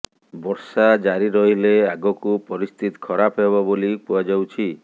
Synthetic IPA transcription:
bɔɾsad͡ʒaɾiɾɔɦileaɡɔkupɔɾist̪ʰit̪i̥kʰɔɾapɦeβɔbolipuad͡ʒawt͡ʃʰi

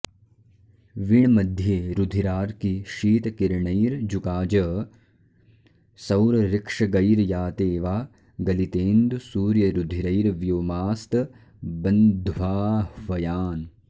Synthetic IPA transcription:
ʋiɳmɐd̪ʱjeːɾud̪ʱiɾaːɾkiʃiːt̪kiɾɳɐjɾd͡ʒukaːd͡ʒɐ | sɐwɾɐɾɪkʂɐɡɐjɾjaːt̪eːʋaː | ɡɐlit̪eːnd̪usuːɾjɐɾud̪ʱiɾɐjɾʋjoːmaːst̪ | bɐnd̪ʱʋaːʋɐjaːn

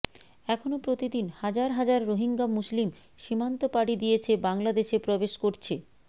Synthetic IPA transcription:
ɛkʰonopɾot̪id̪inhad͡ʑaɾɦad͡ʑaɾːoɦiŋɡamuslim | ʃimant̪opaɽid̪ijet͡ɕʰebaŋlad̪eʃepɾobeʃkoɾt͡ɕʰe

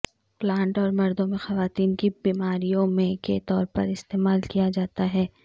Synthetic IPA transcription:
plãːɳʈɔːɾmɐɾd̪õmẽxɐʋaːt̪iːnkibiːmaːɾijõmẽket̪ɔːɾpɐ̰ɾɪst̪eːmaːlkijad͡ʒaːt̪aɦɛː

